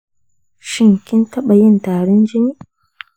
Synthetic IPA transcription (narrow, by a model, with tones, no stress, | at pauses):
ʃɪ˦ŋkʲɪ˦ntɐ˦ɓa˨jɪ˦ntaː˨ɽɪ˦nd͡ʒɪ˦niː˦